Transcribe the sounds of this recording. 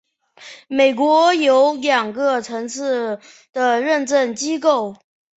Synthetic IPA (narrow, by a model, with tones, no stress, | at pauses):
me˨˩ɪkwɔ˧˥jo˧˥ʊljɑ˨˩ŋɡə˧ʈ͡ʂʰɤ˧˥ŋt͡sʰɹ̩˥˩ | d̪̥ə˨˩ɻə˥˧nʈ͡ʂə˥˩nt͡ɕi˥k̬o˥˩ʊ